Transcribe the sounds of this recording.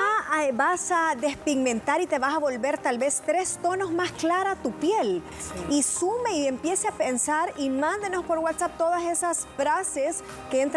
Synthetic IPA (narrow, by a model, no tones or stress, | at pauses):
abasaðespiɡmẽnt̪aɾit̪e̞βasaβo̞lβe̞ɾt̪alβe̞st̪ɾe̞st̪o̞no̞zmasklaɾat̪upje̞l | isumeiempje̞seapensaɾimãnd̪enospo̞ɾwat̪sap̚t̪o̞ðase̞sasfɾases | keent̪